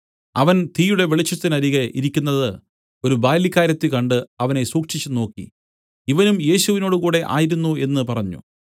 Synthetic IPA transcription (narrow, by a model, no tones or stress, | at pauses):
ɐʋɐnt̪iːjuɽe̞ʋeɭit͡ɕːɐt̪ːinɐɾiɣɐʔiɾikʲːunːɐðɨ | o̞ɾubaːlikːaːɾjɐt̪ːikɐɳɖɨɐʋɐne̞suːkʂit͡ɕːuno̞ːkːḭ | iʋɐnumje̞ːɕuʋino̞ːɽukuːɽe̞ʔa̰ːjiɾunːue̞nːɨpɐrɐɲːṵ